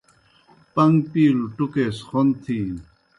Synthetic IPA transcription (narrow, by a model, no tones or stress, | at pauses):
pɐŋɡpiːluʈukesxont̪ʰi